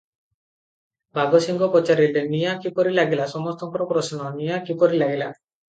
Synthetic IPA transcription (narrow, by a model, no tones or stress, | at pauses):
bʱaɡɔsiŋɡɔpɔt͡ʃaɾilʈenijakipɔɾilaɡilasɔmɔst̪ɔŋkɔɾɔpɾɔsnɔnijakipɔɾilaɡila